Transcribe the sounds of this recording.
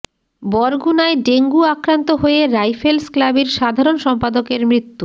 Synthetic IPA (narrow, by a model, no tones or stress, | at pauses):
bɔɾɡunaeɖeŋɡuakɾant̪oɦoeɾajfʰelsklabeɾʃad̪ʱaɾonʃɔmpad̪okeɾmɾit̪ːu